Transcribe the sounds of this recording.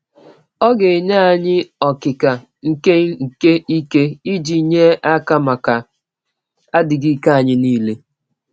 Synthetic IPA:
ɔ˦ɡe˨ɲa˦a˨ɲɪ˦ɔ˨kɪ˨ka˨ | ŋ̩˨ke˦ŋ̩˨ke˦i˦ke˦i˦d͡ʒi˨˦ɲe˦a˦ka˦ma˨ka˨ | a˦dɪ˨ɡi˦ka˨ɲɪ˦niː˦le˦

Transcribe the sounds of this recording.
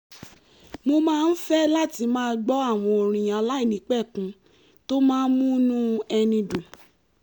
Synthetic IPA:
mo˧mãː˦˧n̩˦fɛ˦la˦˨ti˧mãː˦ɡ͡bɔ˦a˦˨w̃ɔ̃˧o˨ɾ̃ĩ˨j̃ã˨˦la˦i˦˨nĩ˨˦k͡pɛ˦˨kũ˨˦ | to˦mãː˦n̩˦mũ˦nũ˦ɛ˧nĩ˧dũ˨

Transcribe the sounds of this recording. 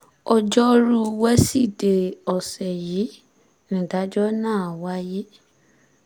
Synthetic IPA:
ɔ˧d͡ʒɔ˦ɾu˦wɛ˦si˦˨de˨ɔ˨sɛ˨ji˨˦ | nĩ˨da˨˦d͡ʒɔ˦nãː˦˨a˨wa˦je˦

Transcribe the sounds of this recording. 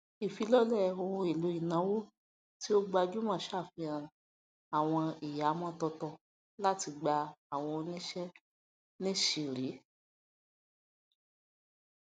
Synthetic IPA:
i˨fi˨˧˦lɔ˦lɛ˦˨o˧hũ˧i˨lo˨˦i˨nã˨˦wo˦ | ti˦o˦ɡ͡ba˧d͡ʒu˦mãː˦ʃa˦˨fĩ˧ã˧˨ | a˨w̃ɔ̃˧i˨ja˨˦mɔ̃˦tɔ˧tɔ˧ | la˦ti˧ɡ͡ba˧a˨w̃ɔ̃˧o˧nĩ˦ʃɛ˦ | nĩ˦ʃi˧ɾi˨˦

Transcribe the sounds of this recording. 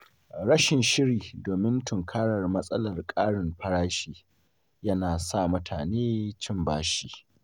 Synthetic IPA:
ɽɐ˦ʃɪ˨nʃɪ˦ɾiː˨doː˨mɪ˦ntʰʊ˨ŋkʰaː˦ɽɐ˨rmɐ˦sʼɐ˦lɐ˨rkʼaː˦ɽɪ˨mɸɐ˦ɽaː˦ʃiː˦ | jɐ˦naː˨sa˦˨mʊ˦tʰaː˨neː˦t͡ʃɪ˦mbaː˦ʃiː˦

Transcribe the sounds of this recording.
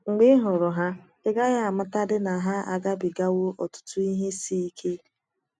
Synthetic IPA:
ŋ͡m̩˨ɡ͡bɪ˦ɦʊ˨ɾʊ˨ɦa˦ | ɪ˦ɡa˦ɣa˦a˨mʊ˦ta˦dɪ˦na˨ɦa˦a̰˨ɡa˦bi˨ɡa˦wʊ˦ʔɔ̰˨tʊ̥˦tʊ˦i˦ɦe˦si˦i˦kʰe˦

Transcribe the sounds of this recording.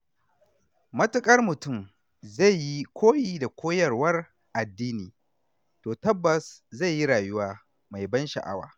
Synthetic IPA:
mɐ˦tʊ˦kʼɐ˦rmʊ˨tʊ˦˨m | za˦˨jji˦kʷʰoː˦jiː˦˨da˨kʷʰoː˦jɐ˨rwɐ˦r | ʔa˨dːiː˦niː˨ | toː˨tɐ˦bːɐ˨sza˦˨ji˦ɽaː˨jʊ˦waː˦ | ma˨jbɐ˦nʃɐ̰˨ʔa̰˦wa̰ː˨

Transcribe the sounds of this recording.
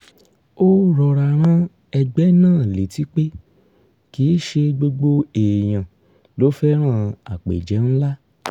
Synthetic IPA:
o˦ɾɔ˨ɾa˨ɾ̃ã˦ | ɛ˧ɡ͡bɛ˨˦nãː˦˨le˨ti˦k͡pe˦ | ki˨˦ʃe˧ɡ͡bo˧ɡ͡bo˧e˨j̃ã˨ | lo˨˦fɛ˦ɾ̃ã˦˨a˨k͡pḛ˨d͡ʒɛ˨˦n̩˦la˦

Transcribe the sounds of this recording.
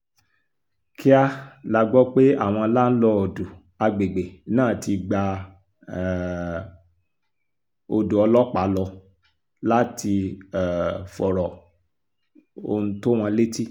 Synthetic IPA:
kʰi˦a˦la˦ɡ͡bɔ˦k͡pe˦a˦˨w̃ɔ̃˧˦la˦n̩˦lɔ˧o˨du˨ | a˧ɡ͡be˨ɡ͡be˨nãː˦˨ti˧ɡ͡ba˧˨ | o˧do˨ɔ˧lɔ˦k͡pa˨˦lɔ˧ | la˦tʰi˧ɛ˨fɔ˨ɾɔ˨ | o˧nũ˦to˦w̃ɔ̃˧˦le˦ti˦

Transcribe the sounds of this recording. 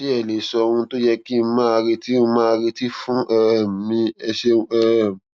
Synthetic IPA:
i˦ɛ˨le˨sɔ˧ɾũ˧to˦jɛ˧kĩ˦˧˦mãː˦˧ɾe˧ti˦mãː˦a˧ɾi˧ti˦fũ˦ʔɛ˦˨mĩ˧ɛ˧ʃe˦ɛ˦˨m˨

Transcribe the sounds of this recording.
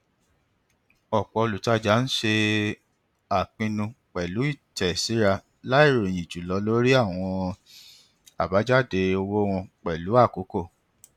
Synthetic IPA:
ɔ˨k͡pɔ˧o˧lu˨ta˦d͡ʒa˨˦n̩˦ʃe˧ | a˨k͡pĩ˧nũ˧k͡pɛ˨lu˨˦i˦˨tɛ˨si˨˦ɾa˧ | la˦i˦˨ɾo˨j̃ĩ˨d͡ʒu˨lɔ˨˦lo˦ɾi˦a˦˨w̃ɔ̃˧ | a̰˨ba˨˦d͡ʒa˦˨de˧o˧wo˦w̃ɔ̃˧k͡pɛ˨lu˨˦a˦˨ko˨˦ko˦˨

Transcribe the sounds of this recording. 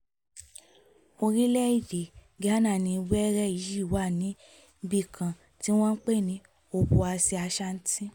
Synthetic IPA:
o˧ɾi˦lɛ˦i˦˨de˨ | ɡa˦nã˦˨nĩ˧wɛ˦ɾɛ˦i˨˦ji˦˨wa˦˨nĩ˨˦ | bi˦˨kʰã˨ | ti˦w̃ɔ̃˦n̩˦k͡pe˦˨nĩ˨˦ | o˧˨bu˧a˧si˧a˧ʃa˦n̩˦tĩ˦

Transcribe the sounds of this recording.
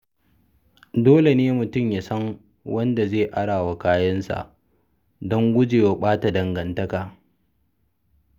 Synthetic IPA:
doː˦le˨neː˦mʊ˨tʊ˦˨mjaː˨sɐ˦ŋ | wʔɐ˦nda˨zeː˦˨ʔa˦ɽaː˨wa˨kaː˦jɐ˦nsa̰˨ʔ | dɔ˦ŋɡʷʊ˦d͡ʒeː˨wa˨˦ɓaː˦ta˨dɐ˨ŋɡɐ˨ntɐ˦kaː˨

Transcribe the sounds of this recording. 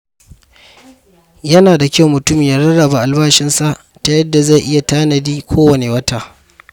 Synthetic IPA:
jɐ˦naː˨da˨kʲɐ˦wmʊ˨tʊ˦mi˨ja˦ɾɐ˦ɽɐ˨ba˨ʔa˨lbaː˦ʃɪ˦nsa˦ʔ | ta˨jɐ˦dːa˨za˦˨jʔɪ˦ja˨taː˦nɐ˨diː˦kʷʰoː˦wɐ˨ne˨wɐ˦taː˨

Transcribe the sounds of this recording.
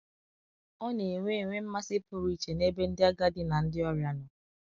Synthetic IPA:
ɔ˦ne˨e˨ŋʷe˦e˨ŋʷe˦m̩˦ma˦sɪ˦pʊ˦ɾi˦˨t͡ʃe˨ne˦be˦n̩˦dɪ˦a˦ɡa˦dɪ˦na˨n̩˦dɪ˦ɔ˦ɾja˦nɔ˨

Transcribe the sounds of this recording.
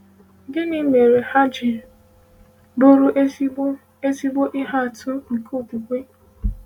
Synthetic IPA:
ɡɪ˦nɪ˦me˨ɾe˨ha˦d͡ʒɪ˨ | bo˦ɾu˦ʔ | e˦si˦ɡ͡bo˦ʔɪ˦ɦa˦a˨tʰʊ˦ŋ̩˨kʰo˦˨tu˨kʷe˦

